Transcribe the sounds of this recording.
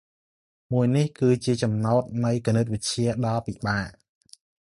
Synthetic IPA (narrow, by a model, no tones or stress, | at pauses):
muəjnihkɨːt͡ɕiət͡ɕɑmnaɔt̪̚nɨjkonɨt̪̚ʋɨc̚t͡ɕiəɗɑlpiɓaːʔ